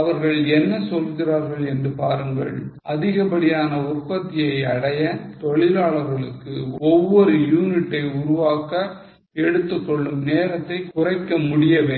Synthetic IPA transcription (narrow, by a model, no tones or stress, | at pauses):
ɐʋɐɾɣɐɭɛnːɐsɔlɣɪraːɾɣɐɭɛndrɯpaːɾɯŋɡɐ̰ɭʔɐðɪɣɐpɐɽɪjaːnɐʊrpɐt̪ːɪjɐɪɐɽɐjɐt̪ɔɭɪlaːɭɐɾɣɐɭɯkːɯɔʋːɔɾɯjuːnɪʈːɐɪʊɾʊʋaːkɐ | ɛɽɯt̪ːɯkːɔɭːɯmneːɾɐt̪ːɐɪkʊrɐɪkːɐmʊɽɪjɐʋeː